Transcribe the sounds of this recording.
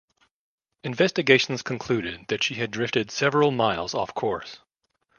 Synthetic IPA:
ɨ̃ɱvɛstɨɡeɪʃn̩z̥kʰn̩kʰl̥ʉɾɪd̪̚ðɨtʃiɨdɹɪftɨd̥sɛvɹl̩ˠmaɪlˠzɔ̰fkʰɔɹs

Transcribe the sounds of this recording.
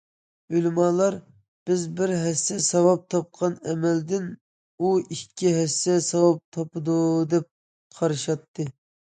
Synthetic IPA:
ylmɑlˠɑɾ | b̥ɪzbɪɾɦɛsːɛsɑwɑp̚t̪ʰɑp̚qʰɑnɛmɛld̪ɪn | uikʲːiɦɛsːɛsɑwɑp̚t̪ʰɑpɨd̪ud̪ɛp̚ | qʰɑɾɨʃɑt̪ʰːɨ

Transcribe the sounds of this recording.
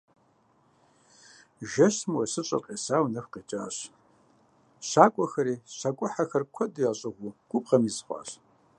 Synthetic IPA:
ʒɐɕmwɐsɨɕʼɐ̰kʼeːsaːwnɐfqeːt͡ʃʼa̰ːɕ | ɕaːkʷʼɔxɐɾiːɕakʷʼʊħaxɐrkʷʰɔdujaɕʼɐʁʷuɡ̥ʷʊp̚ʁɐmizχʷɑ̰ːɕ

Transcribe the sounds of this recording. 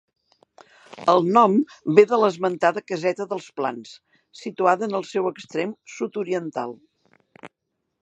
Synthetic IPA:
əlˠnɔmbeðələzmənt̪aðəkəzɛt̪əðəlˠspla̰ns | sit̪uaðəːnəlˠsɛwəkst̪ɾemsut̪uɾiənt̪a̰lˠ

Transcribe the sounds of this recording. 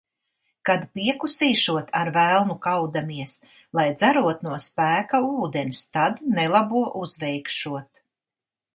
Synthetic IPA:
kad̪piɛkusiːʃuɔt̪ʰaɾvælˠnukawd̪amiɛs | lˠajd̪zæɾuɔt̪nuɔspæːkauːd̪enst̪ad̪nɛlˠabuɔʔuzvɛjkʃuɔt̪

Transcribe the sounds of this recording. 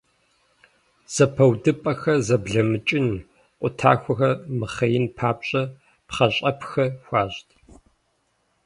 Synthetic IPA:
z̥ɐpʰɐwdɨpʼɐxɐzɐbɮɐmɨt͡ʃʼɪn | qʷʼʊtʰa̰ːxʷɐxɐmɨχɐjɪnpʰaːpɕʼɐ | pχɐɕʼɐpʰxɐxʷaːɕtʰ

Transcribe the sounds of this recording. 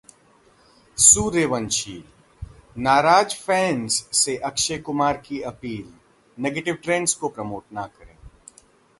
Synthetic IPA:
suːɾeːʋənʃiːl | naːɾaːd͡ʒfɛ̃ːnsseʔɐkʃekʊmaːɾkiɐpiːl | neːɡeːʈɪʋʈɾẽːnskopɾɐmoːʈnakɐɾḛ̃ː

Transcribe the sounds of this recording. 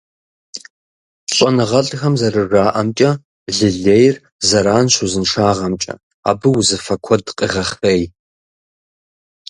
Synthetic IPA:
ɕʼɔnɨʁɐɬʼxɐmzɐrɨraːʔɐmt͡ʃʼɐ | ɮɨɮeːjr | zɐɾaːnɕʷuzɨnʂaːʁɐmt͡ʃʼɐ̰ | a̰ːbɨwzɨfɐkʷʰɔdqʼɨʁɐχeːj

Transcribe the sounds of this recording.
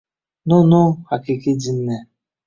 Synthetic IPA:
nʊnʊhakɪkɪdin̩ne

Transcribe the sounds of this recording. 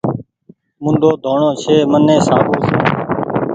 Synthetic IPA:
mʊ̃nd̪ʱoːd̪ʱoːɳõːt͡ʃʰeːmənẽːsaːbuːsõː

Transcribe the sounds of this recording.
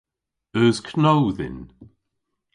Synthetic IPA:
əːskʰnowðɪ̰n

